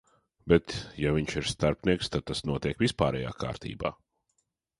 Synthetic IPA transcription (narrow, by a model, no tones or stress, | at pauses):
bɛt̪javʲiɲʃiɾst̪aɾpnʲiɛkst̪ad̪̚t̪asnuɔt̪iɛkvispaːɾɛ̰ja̰ːkʰa̰ːɾt̪ʰḭːba̰ː